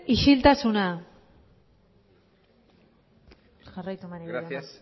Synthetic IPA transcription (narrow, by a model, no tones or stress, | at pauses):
iʃilt̪asuna | ʝarajt̪umaneeas